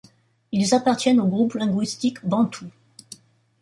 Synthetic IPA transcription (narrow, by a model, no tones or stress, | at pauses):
ilzapaʁt̪jɛnoɡʁuplɛ̃ɡwist̪ikbɑ̃t̪ʰu